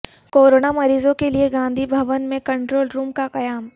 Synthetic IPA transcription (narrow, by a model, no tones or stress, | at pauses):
koːɾoːnamɐɾiːzõkelieɡãːnd̪ʱibʱɐʋənmẽkɐ̃ɳʈɾoːlɾuːmkaqɐjaːm